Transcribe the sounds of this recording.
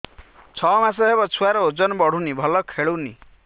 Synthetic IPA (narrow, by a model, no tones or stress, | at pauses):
t͡ʃʰɔmas̬ɔɦebɔt͡ʃʰuwaɾɔod͡zɔnɔbɔɽ̤unibʱɔlɔkʰeɭowni